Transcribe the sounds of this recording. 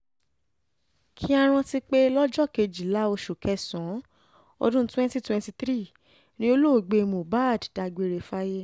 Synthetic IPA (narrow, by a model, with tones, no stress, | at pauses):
kʰi˦a˧ɾ̃ɔ̃˧ti˦k͡pe˦lɔ˦d͡ʒɔ˦˨ke˧d͡ʒi˨la˨˦o˧ʃu˨kɛ˧˦sɔ̃˨˦ | ɔ̰˧dũ˦twɛ̃˦nti˦twɛ̃˧ti˧t̪ɾi˦˨ | nĩ˦o˦lo˦˨ɡ͡be˧mo˨ba˦˨dda˧ɡ͡be˧ɾe˧fa˦je˦